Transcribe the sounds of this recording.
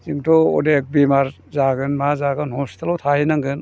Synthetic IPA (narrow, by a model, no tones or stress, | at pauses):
ziŋtɔɔ̰dek̚bimaɾ | zaɡɯnmazaɡɯnhɔstelɔwtʰahinaŋɡɯn